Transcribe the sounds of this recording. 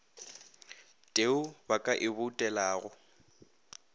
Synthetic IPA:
tʼeʊbakʼaʔɪbʊtʼɛlaːɣʊ

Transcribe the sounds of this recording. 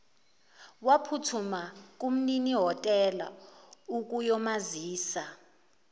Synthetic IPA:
wapʰutʰumak̬ʼum̩niniɦɔtʼɛla̰uk̬ʼujɔmaziːsa

